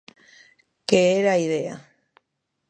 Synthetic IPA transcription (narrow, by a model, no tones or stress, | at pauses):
keeɾaiðea